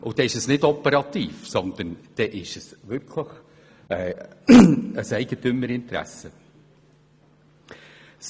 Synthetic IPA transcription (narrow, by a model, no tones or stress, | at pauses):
ʔʊd̥ɛɪʃəsnɪdɔpəɾɑt̪iːfsɔnd̪̥ənd̥ɛʔɪʃəsvʏkʰləχ | ɛː | əsɛɪɡ̥ətʏməɾɪnt̪ɾæ̰sə | s